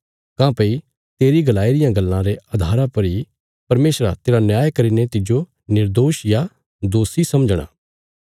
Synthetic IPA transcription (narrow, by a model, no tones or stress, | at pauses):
kãːpei | t̪eːɾiɡɐlaːiɾɪjãɡɐlːãɾeɐd̪ʱaːɾãpɐɾi | pɐɾmeːsɾa̰t̪eːɾanjaːjkɐɾinet̪ɪd͡ʒo | nɪɾd̪oːʃja | d̪oːsisɐməd͡ʒɽ̃a̰ː